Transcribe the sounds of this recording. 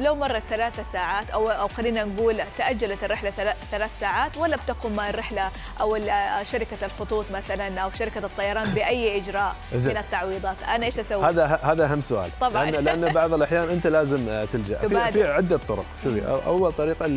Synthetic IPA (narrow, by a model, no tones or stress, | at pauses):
lawmɑrˤːɑt̪θalaːθasaːʕaːt̪ʔawʔawxalːiːnanɡuːlt̪aʔad͡ʒːalat̪ɪrːɪħlaaθalaːθsaːʕaːt̪walːabt̪aquːmːaʕrːɪħla | ʔawɪʃaɾɪkalxʊt̪ˤuːt̪ˤmaθalanʔawʃaɾɪkat̪ˤːɑjɑɾˤɑːnbɪʔajːʔɪd͡ʒɾˤɑːʔʔzɪnat̪ːɑʕwiːðˤɑːt̪ʔanaʔeːʃʔasawːhaːðahahaːðaʔɦamːsʊʔa̰ːlt̪ˤːɑbʔalɪʔanːabɑʕðˤɪlʔaħjaːnʔɪnt̪alaːzɪmt̪ɪld͡ʒa̰ʔaːd̪fiːʕɪd̪ːat̪ˤːʊɾʊ̰qʃʊfḭʔaʔa̰wːalt̪ˤɑɾiːqɑ